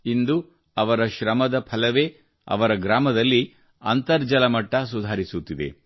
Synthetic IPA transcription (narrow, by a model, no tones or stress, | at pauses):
ind̪u | ɐʋɐɾɐʃɾɐmɐd̪ɐpʰɐlɐʋe̞ː | ɐ̰ʋɐɾɐɡɾaːmɐd̪ɐlːi | ɐ̰nt̪ɐɾd͡ʒɐlɐmɐʈːɐs̬ud̪ʱaːɾisut̪ːid̪ḛ